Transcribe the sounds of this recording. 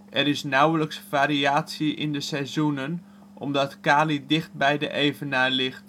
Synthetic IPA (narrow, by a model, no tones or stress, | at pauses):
ʔɛɾɪsnawələksfaːɾiaːtsiʔɪ̰ndəsɛzunən | ʔɔ̰mdɑtkaːlidɪχt̚bɛjdə̰ʔejvənaːlɪxt